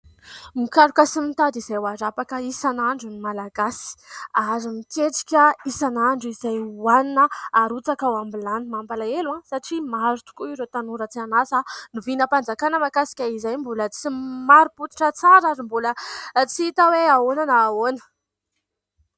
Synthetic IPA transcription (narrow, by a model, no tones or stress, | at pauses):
mikaɾukʲəsimit̪ad̪iz̥ajwaɾapakəisanaɳɖ͡ʐunimalaɡasi̥aɾimit̪eʈ͡ʂi̥kʲəisanaɳɖ͡ʐuizajwaninəːɾut͡sakawambilanimambalaeluãsaʈ͡ʂimaɾut̪u̥kuiɾet̪anuɾət͡sianasanuvinəpand͡zakanəmakasi̥kʲaizajmbulət͡simaɾuput̪i̥ʈ͡ʂət͡saɾaɾimbulət͡siit̪aweaonanaːonə̥